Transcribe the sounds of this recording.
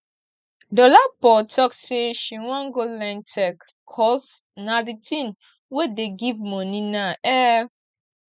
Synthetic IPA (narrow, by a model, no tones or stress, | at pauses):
dɔlapɔtʰɔkseʃiwãŋɡolɛ̃ntʰɛkʰː | ɔs | naditʰĩn | wedeɡivmɔ̃ninaʔɛ